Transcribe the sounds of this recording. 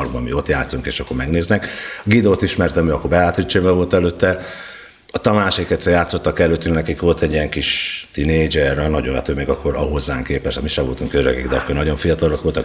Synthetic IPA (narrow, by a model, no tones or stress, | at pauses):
rɡbɒmḭo̞t̪jaːt̪suŋkeːʃɒkːo̞rmɛɡneːznɛkɒɡid̪oːt̪iʃmɛrt̪ɛmyɒkːorbɛjaːt̪it͡ʃːebɛvo̞lt̪ɛløːt̪ːɛ | ɒt̪ɒnaːʃekɛt̪sɛrjaːt̪so̞t̪ːɒkɛløːt̪ːyŋknɛkikʋo̞lt̪ɛɟijɛŋkiʃt̪ineːd͡ʒɛrɒnɒɟonɛ̰t̪øːmeɡɒkːo̞ɾɒɦo̞zːaːŋkeːpɛʃt̪ɒmiʃɛvo̞lt̪uŋkøɾøɡiɡd̪ɛɒkːornɒɟo̞ɱfijɒt̪ɒlokʋolt̪ɒ